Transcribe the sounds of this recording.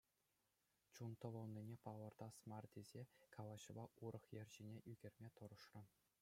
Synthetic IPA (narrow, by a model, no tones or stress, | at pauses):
t͡ɕunt̪ɤ̆ʋɤ̆lˠnʲinʲepɑlˠɤ̆rd̪ɑsmɑrd̪ʲezʲekʰɑlˠɑɕɤ̆bɑʔuɾɤ̆χjɘ̆rʲʑinʲeʔyɡʲerʲmʲet̪ɤ̆ɾɤ̆ʂrɤ̆